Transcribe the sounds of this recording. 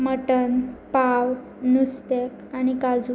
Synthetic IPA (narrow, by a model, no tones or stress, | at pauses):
məʈənpaw | nust̪ekañikad͡zu